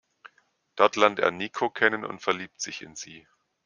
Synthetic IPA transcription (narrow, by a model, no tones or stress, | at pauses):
d̥ɔɐtlɛɐntḛːɐniːkʰokʰɛnənʊ̰ntfɛɐliːp̚tz̥ɪçɪ̰nz̥iː